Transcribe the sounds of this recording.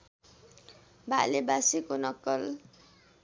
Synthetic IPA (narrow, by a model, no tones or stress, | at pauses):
balebasikonʌkːʌl